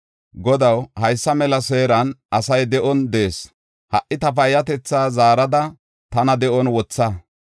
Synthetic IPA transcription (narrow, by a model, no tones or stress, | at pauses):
ɡɔd̪ɐwhɐjsːɐmɛlɐse̞ːɾɐnʔɐsɐjd̪ɛʔɔnd̪e̞ːs | hɐʔːɪt̪ɐfɐjːɐt̪ɛt͡sːaːzaːɾɐd̪ɐ | t̪ɐnɐd̪ɛʔɔnwɔt͡sːa